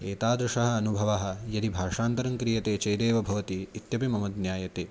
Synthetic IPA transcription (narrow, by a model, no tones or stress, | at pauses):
eːt̪aːd̪ɾuʂɐɦɐ̆ɐnubʱɐʋɐɦɐ̆jɐd̪ibʱaːʂaːnt̪ɐɾɐŋkɾijɐt̪eːt͡ʃɐjd̪eːʋɐbʱɐʋɐt̪iːt̪jɐpimɐmɐd̪njaːjɐt̪eː